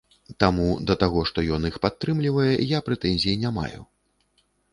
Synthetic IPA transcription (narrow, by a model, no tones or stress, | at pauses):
t̪amud̪ɐt̪aɣɔʂt̪ɔjɔnixpat̪ːɾɨmlʲivɐjɛjapɾɛt̪ɛnʲzʲijinʲama̰jṵ